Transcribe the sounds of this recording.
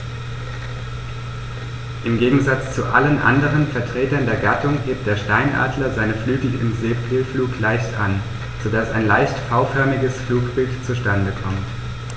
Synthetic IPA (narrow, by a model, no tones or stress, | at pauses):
ʔɪmɡeːɡŋ̩zat͡st͡suʔa̰lənʔa̰ndəʁ̞ənfɛɐtʁ̥eːtɐndeːɐɡatʊŋheːp̚t̚d̥eːɐʃtaɪnʔa̰ːdlɐzaɪnəflyːk̩ɪ̰mzeːpɪlfluːklaɪçtʔa̰n | z̥odasaɪnlaɪçtfaʊfœɐmɪɡəsfluːkb̥ɪltt͡suʃtandəkʰɔmt